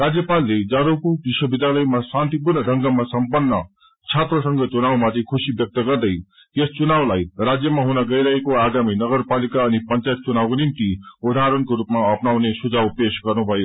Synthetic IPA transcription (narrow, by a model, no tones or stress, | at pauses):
rad͡zjʌpalːed͡zaɾokobiswʌbid̪jalʌjmasant̪ipurnʌdʱʌŋɡʌmasʌmpʌnːʌ | t͡sʰat̪rʌsʌŋɡʌt͡sunawmat̪ʰekʰusibjʌk̚t̪ʌɡʌrd̪ʌj | est͡sunawlajrad͡zjʌmaɦunaɡʌjɾʌɦekoaɡaminʌɡʌrpalikaʌnipʌnt͡sajt̪̚t͡sunawkonimt̪iud̪ʱaɾʌnkoɾupmaʌpnawnesud͡zawpesɡʌrnubʱʌjo